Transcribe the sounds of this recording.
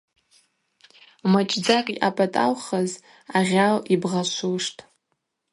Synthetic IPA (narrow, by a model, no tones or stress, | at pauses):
mat͡ʃʼd͡zakʼiʔapʼatʼa̰lχaz | aʁʲalibʁaʃʷuʂtʼ